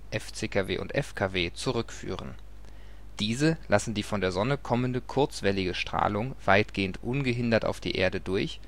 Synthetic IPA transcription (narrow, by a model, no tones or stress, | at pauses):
ʔɛft͡seːkʰavḛːʔʊ̰ntʔɛ̰fkʰaveːt͡suʁʏkfy̰ːʁən | d̥iːzəlasn̩diːfɔndeːɐzɔnəkʰɔməndəkʰʊɐt͡sv̥ɛlɪɡəʃtʁ̥a̰ːlʊŋv̥aɪtɡ̥eːəntʔʊnɡəɦɪndɐta̰ʊfd̥ḭːʔḛːɐdədʊɐç